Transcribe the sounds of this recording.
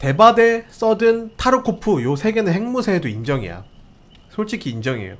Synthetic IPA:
te̞bade̞s͈ʌdɯntʰaɾokʰopʰujosʰe̞ɡe̞nɯnheŋmusʰeːdoind͡ʑʌŋḭa̰ | sʰoɭt͡ɕ͈ʰikʰiːnd͡ʑʌŋiḛjo̰

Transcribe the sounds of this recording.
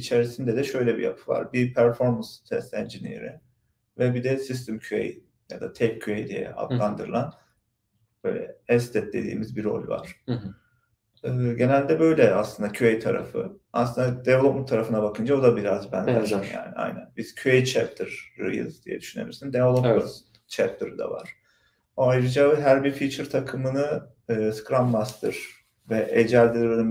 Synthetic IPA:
it͡ʃʰeɾisind̪ɛd̪ɛʃø̞jlʲɛbḭja̰pʰɯva̰ɾbipʰæɾfo̞ɾmanst̪ʰɛst̪ɛnd͡ʒinḭḛɾi | vɛbid̪ɛsis̬t̪ʰimcʰyḛj | ja̰d̪at̪ʰɛccʰyejd̪ḭjɛ̰a̰d̪lˠand̪ɯɾɯlˠan | b̥ø̞̰jlʲɛ̰ɛst̪ʰɛt̪̚d̪ed̪ḭːmizbiɾo̞̰lʲva̰ɾ̥ | ɯːɟe̞nælʲd̪ɛbø̞jlʲɛaslˠɯnd̪acʰyejt̪ʰaɾa̰fɯ̰aslˠɯnd̪ad̪ɛvlˠopmut̪ʰːaɾafɯnabakʰɯnd͡ʒaod̪abiɾazbænd̪æɾsinja̰ːniʔa̰jnæ̰nbiz̥cʰyejt͡ʃʰɛp̚t̪ʰiɾ̥ːɯ̰jɯ̰zd̪ijɛ̰d̪yʃyne̞̰iɾsind̪elˠopu | t͡ʃʰɛp̚t̪ʰɯɾɯd̪a̰va̰ɾ̥ | oajɾɯd͡ʒaɦæɾbiɾfit͡ʃʰɯɾt̪ʰakʰɯmɯnɯː | skɾammast̪ʰɯɾ̥ | vɛʔed͡ʒælʲd̪iɾɾɯnɯm

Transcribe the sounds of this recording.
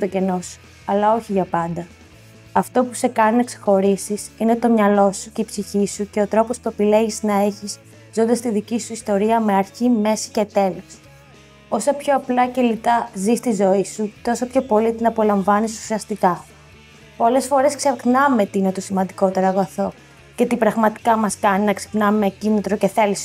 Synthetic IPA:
t̪oce̞no̞su̥ | ɐlɐo̞çiʝɐpɐnd̪ɐ | ɐft̪o̞puse̞kɐnnekse̥xo̞ɾisisine̞t̪o̞mɲɐlo̞suceipsiçisuce̞o̞t̪ɾo̞po̞spue̞pile̞ʝiznɐe̞çis | zo̞nd̪ɐst̪iðicisuist̪o̞ɾiɐme̞ɐɾçime̞si̥ce̞t̪e̞lo̞s | o̞sɐpço̞ɐplɐce̞lit̪ɐzist̪izo̞isut̪o̞sɐpço̞po̞lit̪inɐpo̞lɐɱvɐnisu̥siɐst̪ikɐ | po̞le̞sfo̞ɾe̞skseɾxnɐme̞t̪iinet̪osimɐnd̪iko̞t̪e̞ɾɐɣɐθo̞ | ce̞t̪ipɾɐɣmɐt̪i̥kɐmɐskɐninɐksi̥pnɐmecinit̪ɾoce̞θe̞lis

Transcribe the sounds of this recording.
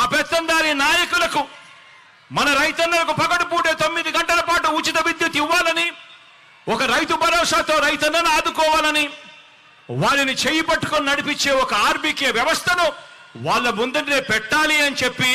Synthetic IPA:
aːpɛt̪ːɐnd̪aːɾinaːjɐkulɐku | mɐnɐɾɐjt̪ɐnːɐlɐkupɐkɐʈupuːɽe̞ːt̪o̞mːid̪iɡɐɳʈɐlɐpaːʈuːt͡ʃit̪ɐʋid̪jut̪iʋːaːlɐni | ɔkɐɾɐjt̪ubʱɐɾɔːʂaːt̪o̞ːɾɐjt̪ɐnːɐnaːd̪ukɔːʋaːlɐni | ʋaːɭːinit͡ʃejipɐʈːu̥koninɐɽipit͡ʃːe̞ːɔkɐaːɾbikeːʋjɐʋɐst̪ʰɐnu | ʋaːɭːɐmund̪ɐnneːpɛʈːaːliɐnit͡ʃepːi

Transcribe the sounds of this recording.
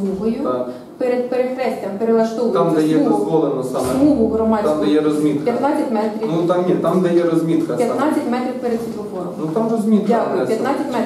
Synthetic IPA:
iʋʊjʊ | peɾed̪̚peɾexɾɛsʲtʲɐmpeɾelˠɐʃt̪ɔʋt̪ɑmd̪ɛjɛɔzʋɔlˠenɐsɑmmɛmuɦʊɦrɔmɑd̪ʲkd̪ɐjɛɾɔzʲmʲit̪kjɐt̪nɑt͡sʲːɐtʲmɛt̪ɾʲinut̪ɑmnʲit̪amd̪ɐjɛɾɔzʲmʲit̪kɐpjɐt̪nɑt͡sʲːɐtʲmɛt̪ɾʲiwpeɾed̪sʲit̪ʊfɔɾɔmnut̪ɑmrɔzʲmʲit̪kakɔpjɐt̪ɑt͡sʲɐtʲmmɛ

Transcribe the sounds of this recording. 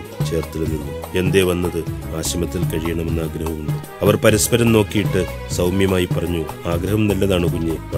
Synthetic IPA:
t͡ɕe̞ːrt̪ːilnːinːue̞nd̪e̞ːʋɐnːɐðɨaːɕɐmɐt̪ːilkɐɻijɐɳɐme̞nːaːɡɾɐɦɐmuɳɖɨ | ɐʋɐrpɐɾɐspɐɾɐmno̞ːkːijiʈːɨ | sɐwmjɐmaːjipːɐrɐɲːuaːɡɾɐɦɐmnɐlːɐðaːɳɨkuɲːeʋɐ

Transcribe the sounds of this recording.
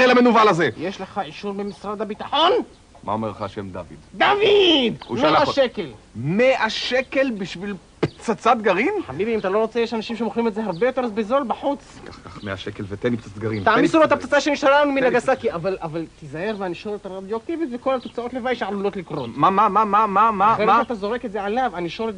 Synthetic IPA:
elamenuvalazejeʃleχaʕiʃuɾbemisʁad̪abit̪aħo̞n | ma̰omeʁleχahaʃemd̪a̰vḭd̪d̪avid̪ṵmeaʃekel | meʔaʃekelbiʃvil | pt͡sat͡sat̪̚ɡaʁinħamibiimat̪alo̞ʁot͡sejeʃanaʃimʃemoχlimetzeɦaʁbejo̞t̪ezbezo̞lbaħut͡skaχkaχmeaʃekelvet̪enip̚t͡sat͡sat̪ɡaʁimt̪aʕmisuloet̪apt͡sat͡saʃeniʃaɾalanuminaɡasakiavalavalt̪izaheʁveaniʃoɾet̪aɾabjokevit̪vekolat̪ot͡sao̞t̪levajʃeʕalulot̪likʁotmamamamamamaeaat̪azo̞ʁeketzeʕalavaniʃo̞let

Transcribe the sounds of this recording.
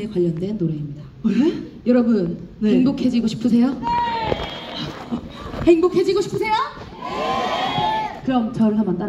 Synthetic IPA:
ekwaʎːʌndwe̞nːoɾe̞imɲida | ejʌɾʌbunneeŋbokʰe̞d͡ʑiɡoɕʰi̥pʰɯsʰe̞jo | heŋbokʰe̞d͡ʑiɡoɕʰi̥pʰɯsʰe̞jo | kɯɾʌmt͡ɕʌɭsʰamant͈aɾ

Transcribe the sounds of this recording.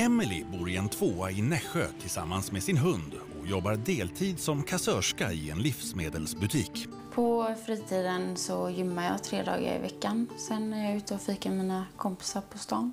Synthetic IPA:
ɛmːɪlɪ̰buːɾɪɛnt̪ʰvoːaɪnɛɧɛt̪ʰɪlsa̰mːansmɛsɪnɦɵnd̪ | ɔjɔbːaɾdeːlt̪ʰiːd̪sɔmkʰasœʂkaɪɛnlɪfsmeːd̪əlsbɵt̪ʰiːk | pʰɔfɾiːt̪ʰiːd̪ənsɔjʏmːajɑ̰ːt̪ʰɾeːd̪ɑ̰ːɡa̰ɾɪ̰vɛkːansɛnːæɾjɑʉ̟ːt̪əɔfiːkaɾmiːnakʰɔmpɪ̥saɾpʰɔst̪ɑːn

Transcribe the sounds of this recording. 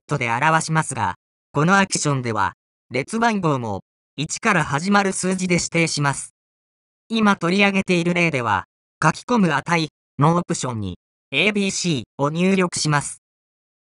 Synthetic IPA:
t̪ːo̞d̪e̞aɾaβaɕimasɨɡa̰ | ko̞no̞aki̥ɕõ̞nd̪e̞βa̰ | ɾe̞t͡sɨbãŋɡo̞ːmo̞̰ | it͡ɕi̥kaɾahaʑimaɾɯ̟sɨːd͡ʑid̪e̞ɕi̥t̪e̞ːɕimasɨ̥ | imat̪o̞ɾʲiaɡe̞t̪e̞iɾɯ̟ɾe̞ːd̪e̞β̞a̰ | kakʲi̥ko̞mɯ̟at̪ai | noːpɯ̟ɕõ̞ɲ̟ːḭ | e̞ːbʲiːɕiːo̞ɲ̟ɨːɾʲo̞kɯ̟̥ɕimasɨ̥

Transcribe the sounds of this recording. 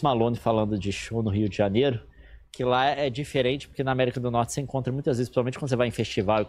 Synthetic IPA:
malõnɪfalɐ̃nd̪ʊd͡ʒɪʃõwnʊɦiʊd͡ʒɪʒanejɾʊ | kʰɪlaɛd͡ʒifeɾẽnt͡ʃɪ̥poɾkenɐamɛɾikɐd̪ʊnɔɾt͡ʃɪ̥seẽŋkõt̪ɾɐmũj̃t̪ɐzvezspɾɪsawmẽt͡ʃkd̪sevajẽfest͡ʃivawɪ

